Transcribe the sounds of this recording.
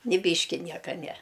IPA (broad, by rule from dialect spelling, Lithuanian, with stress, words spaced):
nʲɪ ˈbʲiːʃʲkʲɪ ˈnʲiɛkɐ nʲɛ